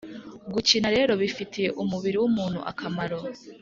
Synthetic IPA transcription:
ɡut͡ʃinaɾe̞ːɾo̞βifitʰije̞ʔumuβiɾiwumuːn̥hṵʔa̰kʰamaɾo̞

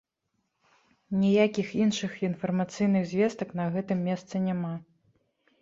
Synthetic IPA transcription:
nʲijakʲixinʂɨxinfɐrmat̪sɨjnɨɣzʲvʲɛst̪ɐknɐɣɛt̪ɨmːʲɛst̪sɨnʲama

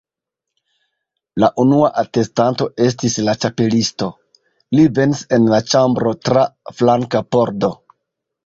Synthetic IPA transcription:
laʔunuaʔate̞stanto̞e̞s̬tislat͡ʃape̞listo̞ | live̞nse̞nlat͡ʃambɾo̞tɾaflaŋkapo̞ɾdo̞

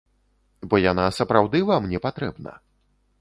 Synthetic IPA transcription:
bɔjanasɐpɾawd̪ɨvamnʲɛpat̪ɾɛbnɐ̰

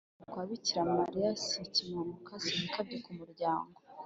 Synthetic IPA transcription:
kwaβiciɾamaɾiasicimamukasinikabɟikumuɾɟaːŋɡo

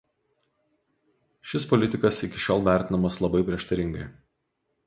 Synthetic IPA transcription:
ʃʲɪspɔlʲɪt̪ʲɪkɐsɪkʲɪʃʲoːlˠʋʲæˑɾʲt̪ʲɪnɐmɐslˠɐbɐɪpʲɾʲiɛʃt̪ɐɾʲɪŋɡɐɪ

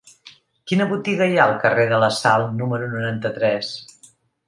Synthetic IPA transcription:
kinəβut̪iɣəjaəlˠkəreðələsalˠnuməɾunuɾant̪ət̪ɾɛs

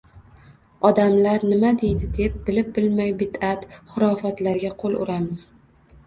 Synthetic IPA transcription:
ɒd̪amlaɾnɪmad̪e̞jd̪ɪd̪e̞p̚bɪlɪp̚bɪlmajbɪd̪at̪χʊɾɒfat̪laɾɡʲaqʰolˠʊ̰ɾamɪz̥

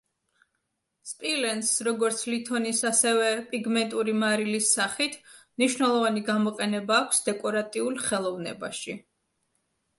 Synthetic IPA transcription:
spʼilɛnsɾɔɡɔɾt̪sʰlit̪ʰɔnisasɛvɛpʼiɡmɛnt̪ʼuɾimaɾilisːaχit̪ʰmniʃwnɛlˠɔvaniɡamɔqʼɛnɛbaːkʷʰsd̪ɛkʼɔɾat̪ʼiulˠχɛlˠɔvnɛ̰ba̰ʃi

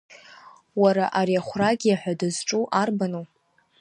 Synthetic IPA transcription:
waɾaʔaɾiaχʷraɡʲjaħʷᶣadazʈ͡ʂʼuʔarbano

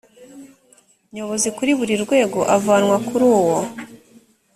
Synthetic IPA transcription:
ɲo̞βo̞zikuɾiβuɾiɾɡwe̞ːɡo̞ʔavaːnwakuɾuːwo

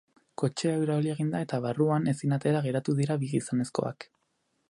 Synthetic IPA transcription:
ko̞t͡ʃeaeɾaβilie̞ɣind̪ae̞t̪aβaruane̞sinat̪e̞ɾaɣ̞e̞ɾat̪uðiɾaβiisane̞sko̞̰a̰k

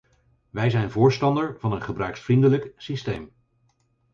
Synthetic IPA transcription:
ʋɛjzɛjnvʊːɹstɑndəɹv̥ɑnənχəbrœɥksfrindələksistejm

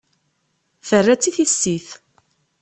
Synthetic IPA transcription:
θərːæt͡sːiθisːiθ

